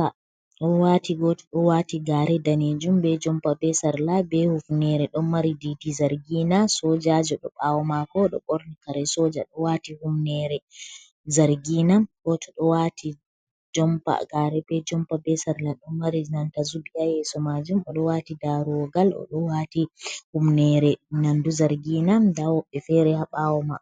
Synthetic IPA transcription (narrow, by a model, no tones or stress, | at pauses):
a | ɗɔwatiɡɔtɔ̥ɗɔwatiɡaːɾɛdaned͡ʒumbɛd͡ʒɔmpabɛsaɾlabɛhufnɛɾɛɗɔnmaɾiditizaɾɡinasɔd͡ʒad͡ʒɔɗɔɓawɔmakɔɗɔɓoɾnikaɾɛsɔd͡ʒa̰ɗɔwatihumnɛɾɛ | zaɾɡinakɔtɔɗɔwatʰi | d͡ʒɔmpa̰ɡaɾɛbɛd͡ʒɔmpabɛsaɾlaɗɔnmaɾinantazubijajɛsɔmad͡ʒumɔɗɔwatidaɾuɔɡalɔ̰ɗɔwatihumnɛɾɛnanduzaɾɡinamdawɔɓːɛfɛɾɛhaɓawɔma